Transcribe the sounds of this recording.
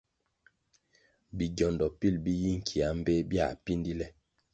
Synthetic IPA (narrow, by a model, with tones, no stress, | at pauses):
bi˨ɟɔ˨ndɔ˨pi˦˨lbi˦ji˦ŋ̩˨kʰi˨a˨˦m˦be˦bja̰˨pi˦ndi˦lɛ˦